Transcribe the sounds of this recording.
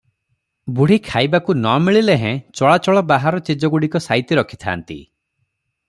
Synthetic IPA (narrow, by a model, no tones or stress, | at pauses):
buɽ̤ikʰajbakunɔmiɭileɦẽt͡ʃɔɭat͡ʃɔɭɔbaɦaɾɔt͡ʃid͡ʒɔɡuɽikɔsajt̪iɾɔkʰi̥t̪ʰa̰ːnt̪ḭ